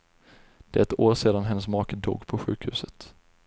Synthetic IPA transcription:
d̪̥ɛɾɛt̪oːɾseːd̪anɦɛnːəsmɑːkəd̪o̰ːɡpʰɔɧʉ̟ːkhʉ̟ːsət̪

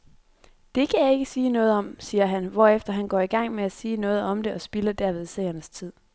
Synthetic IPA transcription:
d̥e̝kʰæjɑ̈e̝ɡ̥əsiːnɔ̽ːð̞̩ˠɒ̽msiːɐɦænʋɒːefd̥ɐɦænɡ̥ɒ̰ːiɡ̥ɑ̈ŋ̰meæsiːnɔ̽ːð̩ˠɒ̽md̥e̝ʔɒ̽sb̥iləd̥æɐʋeð̞ˠsɛ̰ɪɐnəst͡sʰið̞̰ˠ

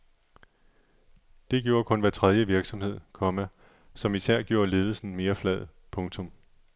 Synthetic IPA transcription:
d̥e̝ɡ̥jo̝ːɐkʰɔ̽nʋæt͡sʰʁɛðˠjəʋiɐɡ̥sɒ̽mhe̝ð̞̰ˠkʰɒ̽mæ | sɒ̽misæɐ̰ɡ̥jo̝ːɐle̝ːðˠl̩sn̩me̝ːɐflɛð̩ˠ | pʰɔ̽ŋt͡sʰɔ̽m

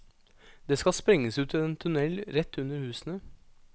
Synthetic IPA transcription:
d̪̥eːskɑspɾɛŋːəsʉːt̪ʰɪleːnt̪ʰʉnɛlɾɛt̪ːʉnəɾhʉːsnə

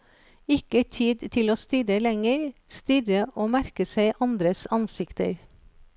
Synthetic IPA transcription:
ɪkət̪ʰiːd̪t̪ʰɪloːst̪ʏɾəlɛŋəɾst̪ʏɾəʔoːmæɾkəseɪʔɑnd̪ɾəsɑnsɪkt̪ə̰ɾ

